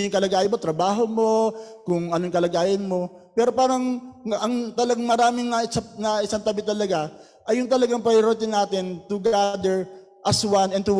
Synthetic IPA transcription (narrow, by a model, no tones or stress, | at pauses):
jʊŋkɐlɐɡaːjɪnmot̪ɾɐbaːɦomo̞kʊŋɐnojʊŋkɐlɐɡaːʔɐnmo̞ | pɛːɾopaːɾɐŋʔɐŋt̪ɐlɐɡaŋmɐɾaːmɪŋnɐsap̚nɐʔɪsant̪ɐbɪt̪ɐlɐɡa | ʔɐjːʊŋt̪ɐlɐɡaŋpɐjɪɾoːt̪̬ɪnaːt̪ɪnt̪ʊɡad̪ɛɹ | ʔɐswanɛnt̪u